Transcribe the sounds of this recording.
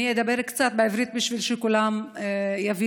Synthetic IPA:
ijed̪abe̞ɾkt͡sat̪beivɾit̪̚biʃvilʃekulamjavi

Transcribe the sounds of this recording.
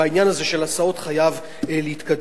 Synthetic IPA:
ainjanaze̞ʃelasao̞tχajav | leit̪kad

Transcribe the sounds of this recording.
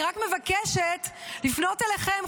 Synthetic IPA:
ʁakme̞vakeʃetlifno̞teleχem

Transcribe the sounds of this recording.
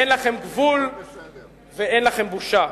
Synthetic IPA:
enlaχe̞mɡvul | veenlaχe̞mbuʃa

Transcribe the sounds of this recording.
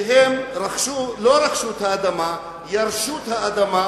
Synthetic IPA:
ɦemɾɐkʃuloɾɐkʃuːt̪ʰɐːd̪ɐma | jɐɾʃuːt̪ʰɐɐd̪ɐma

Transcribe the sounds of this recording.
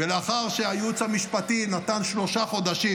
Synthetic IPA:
veleaχaʁʃeajut͡shamiʃpatinat̪anʃlo̞ʃaχo̞d̪aʃi

